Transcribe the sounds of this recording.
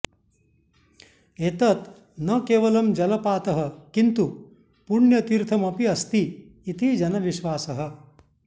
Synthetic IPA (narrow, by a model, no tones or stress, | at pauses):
et̪ɐt̪ | nɐkeːʋɐlɐmd͡ʒɐlɐpaːt̪ɐɦɐ̆kint̪u | puɳjɐt̪iɾt̪ʰɐmɐpiɐst̪iː | t̪id͡ʒɐnɐʋiʃʋaːsɐɦɐ̆